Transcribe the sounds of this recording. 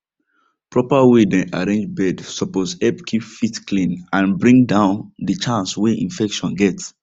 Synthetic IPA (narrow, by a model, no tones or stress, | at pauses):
pɹɔpawedɛ̃ʔaɹẽnd͡ʒbɛdsɔposɛpkʰipfitklĩnãnbɹĩŋdãʊ̃ndət͡ʃãnsweʔḭ̃nfɛkʃɔ̃nɡɛt